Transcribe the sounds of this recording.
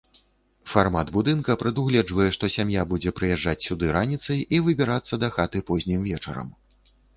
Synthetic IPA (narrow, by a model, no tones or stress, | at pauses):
farmad̪bud̪ɨnkɐpɾɨd̪uɣlʲɛd͡ʐvɐjɛʂt̪ɔsʲamjabud͡zʲɛpɾɨjɛʐːat͡sʲsʲud̪ɨɾanʲit̪sɐjʔivɨbʲiɾat̪sːɐd̪ɐxat̪ɨpɔzʲnʲimvʲɛt͡ʂɐ̰ɾɐ̰m